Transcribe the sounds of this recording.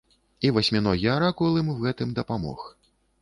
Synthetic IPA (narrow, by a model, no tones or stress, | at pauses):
ivɐsʲmʲinɔɣʲiaɾakulˠɨmɣɛt̪ɨmd̪ɐpamɔ̰x